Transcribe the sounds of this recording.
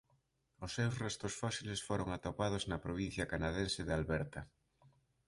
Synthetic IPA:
ʊsːewsrɛst̪ʊsfɔsilesfoɾoŋat̪opað̞oznɐpɾoβ̞in̟θjɐkanaðensɪðalβɛɾt̪ɐ

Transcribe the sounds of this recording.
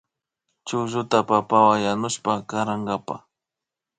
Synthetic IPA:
t͡ʃʊʒʊt̪apapawajanʊʃpakaɾaŋɡapa̰

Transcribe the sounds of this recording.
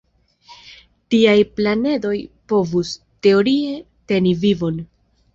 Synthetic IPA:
tiajplane̞do̞jpo̞vus | te̞o̞ɾie̞ | te̞nivivo̞n

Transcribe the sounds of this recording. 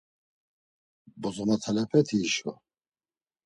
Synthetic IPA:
bɔzɔnat̪ʰalɛpʰɛt̪ʰiːʃɔ̰

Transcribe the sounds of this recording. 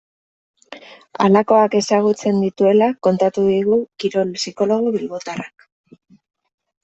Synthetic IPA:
a̰lako̞ake̞saɣ̞ut͡se̞nd̪it̪ue̞lako̞nt̪at̪uðiɣukiɾo̞lsiko̞lo̞ɣ̞oβilβo̞t̪arak

